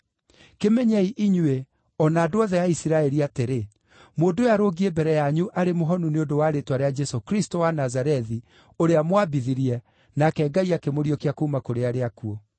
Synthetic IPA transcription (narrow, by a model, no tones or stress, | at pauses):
kemɛɲaiʔiɲwe | ɔnaːdoɔðɛjaisiɾaɛɾiateɾe | mondojaɾoɡiebɛɾɛjaɲuʔaɾemoɦɔnuneondowaɾetwaɾead͡ʒɛsokɾistowanazaɾɛði | oɾeamwabiðiɾiɛ | nakɛːɡaiakemoɾiɔkeakoumakoɾeaɾeakuɔ